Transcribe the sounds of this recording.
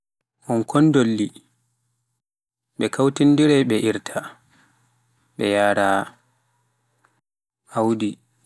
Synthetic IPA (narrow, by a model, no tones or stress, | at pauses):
ʔɔnkʰɔndolːi | ɓɛkʰawtindiɾɛjɓɛʔiɾtʰa | ɓɛjaːɾa | awdi